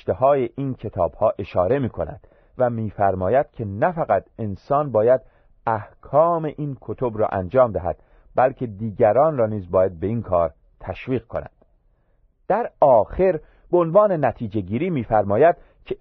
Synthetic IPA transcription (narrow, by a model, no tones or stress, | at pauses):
t̪ehɒːje̞ʔiːncʰe̞t̪ʰɒːb̥hɒːʔe̞ʃɒːɾe̞miːkʰo̞næ̰d̪̥ | væmiːfæɾmɒːjæd̪̥cʰe̞næfæɣæt̪e̞nsɒːnbɒːjæd̪̥ | æhkʰɒːme̞ʔiːnkʰot̪ʰobɾɒ̰ːʔænd͡ʒɒːmd̪æɦæ̰d̪̥ | bælcʰe̞d̪iːɟæɾɒːnrɒːniːzbɒːjæd̪̚be̞iːnkʰɒːɾ | t̪ʰæʃviːɣkʰonæ̰nd̪̥ | d̪̥æɾɒːxe̞ɾ | b̥eonvɒːne̞næt̪ʰiːd͡ʒe̞ɟiːɾiːmiːfæɾmɒːjæd̪̥ | cʰe